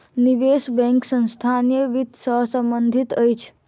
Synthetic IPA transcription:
niʋesbɛ̃ŋksə̃nst̪ʰanijəʋit̪səɦsəmbənd̪ʱit̪əjt͡ʃʰ

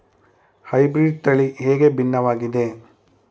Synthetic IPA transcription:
hɐjbɾiːɖ̚t̪ɐɭiɦeːɡe̞binːɐʋaːɡid̪e̞

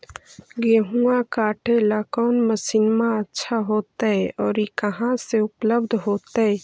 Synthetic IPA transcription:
ɡeːɦuakaːʈʰelakɔːnməsiːnmãətːʃʰaɦoːt̪aɦɛʔɔːɾikəɦãseʊpləbd̪ʱɦoːt̪aɦɛ

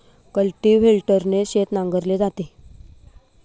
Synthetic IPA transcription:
kəlʈiʋɦelʈəɾneɕet̪nãŋɡəɾled͡zat̪e

